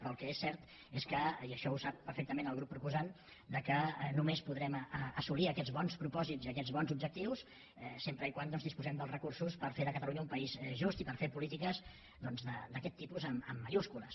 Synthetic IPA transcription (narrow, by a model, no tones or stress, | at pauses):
pɾɔəlˠkɛesːɛɾt̪ | eskəiəʃɔusapːəɾfɛk̚t̪əmenəlˠɣɾupːɾupuzan | d̪əkənumespuðɾɛməəsuliəkɛd͡zβɔnspɾupɔziziəkɛd͡zβɔnzubd͡ʒək̚t̪iws | ɛsempɾəikwand̪ɔnzðispuzɛmd̪əlˠzrəkursuspəɾfeðəkət̪əluɲəumpəizʒust̪ipəɾfepulit̪ikəz | ðɔnzðəd̪əkɛt̪ːipuzəmə̰mːəʒuskuləs